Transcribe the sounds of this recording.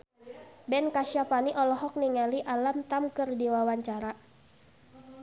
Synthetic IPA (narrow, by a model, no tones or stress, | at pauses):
bɛnkaʃiapaniʔɔlɔɦɔk̚niŋaliʔalamt̪amkɨrdiwawaɲt͡ʃaɾa